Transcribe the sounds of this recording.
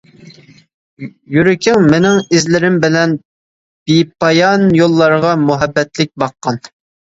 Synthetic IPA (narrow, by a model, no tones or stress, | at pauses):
jyɾɪkʲʰɪŋmɪnɪŋɪzlɪɾɪmbɪlɛn | b̥ipʰɑjɑnjolˠːɑɾʁɑmuɦɛbːɛt̪lɪk̚ʲbɑqːɑn